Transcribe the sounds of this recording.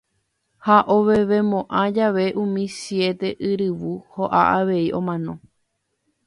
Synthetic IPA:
haʔoʋeʋe̞mõʔãd͡ʒaʋe̞ʔũmĩsje̞t̪e̞ʔɨɾɨʋuhoʔa̰ʔaʋe̞iʔõ̞mãnõ̞

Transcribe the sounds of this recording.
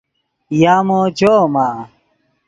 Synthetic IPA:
jaːmoːd͡ʑoːmaː

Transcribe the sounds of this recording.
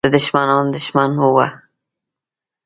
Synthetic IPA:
əd̪ʊʃmanɑnd̪ʊʃmanhuwa

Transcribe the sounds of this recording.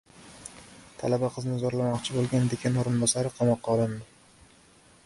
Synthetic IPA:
t̪ʰa̰labaqʰɨznɪzɒɾlamɒqt͡ʃʰɪbolˠɡʲand̪ekʲʰɪnoɾɪnbɒsaɾɪqʰɑmɒqːɑːlˠɪnd̪ɪ

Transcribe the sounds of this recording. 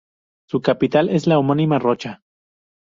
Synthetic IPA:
sukapit̪aleslaomonimarot͡ʃa

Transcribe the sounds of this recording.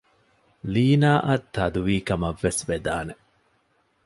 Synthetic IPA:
liːnaːʔɐt̪ːɐd̪uʋiːkɐmɐʋːesʋed̪aːne

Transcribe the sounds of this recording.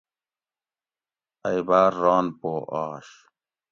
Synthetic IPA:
ɐjbaːɾːaːnpoːʔaːɕ

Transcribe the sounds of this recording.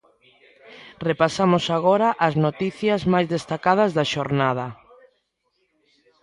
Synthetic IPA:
repasamʊsaɣoɾɐʔɐznot̪iθjɐzmajzðest̪akað̞ɐzðɐʃoɾnað̞ɐ

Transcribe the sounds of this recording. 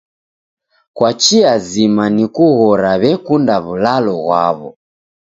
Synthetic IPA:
kwat͡ʃiazimanikuɣɔɾaβɛkundaβulalɔɣwa̰βɔ̰

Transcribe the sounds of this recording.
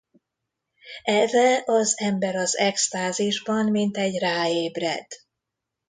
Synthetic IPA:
ɛrɛʔɒzɛmbɛɾɒzɛkst̪aːziʒbɒnmint̪ɛɟraːeːbrɛ̰d̪̥

